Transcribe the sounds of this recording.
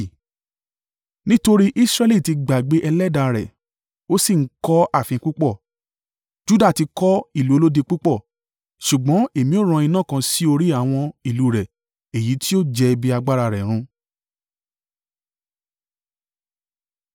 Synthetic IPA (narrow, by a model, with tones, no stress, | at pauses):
nĩ˦to˧ɾi˦ʔi˦sɾɛ˦li˦˨ti˧ɡ͡ba˨ɡ͡be˨˦ʔɛ˧lɛ˦da˧ɾɛ̰˨ | o˦si˦˨ŋ̩˦kɔ˦a˦˨fĩ˧˦ku˦k͡pɔ˦˨ | d͡ʒu˦da˦˨ti˧kɔ˦i˦˨lu˦o˧lo˦de˧k͡pu˦k͡pɔ˦˨ | ʃu˨ɡ͡bɔ̃˨˦e˦˨mĩ˨˦o˦˨ɾ̃ã˧i˧nã˦˨kã˧si˦o˧ɾi˦a˦˨w̃ɔ̃˧i˨lu˨˦˨ɾɛ˨ | e˨ji˨˦tʰi˦o˦˨d͡ʒɛ˧bi˧a˧ɡ͡ba˦ɾa˧ɾɛ˨ɾ̃ũ˧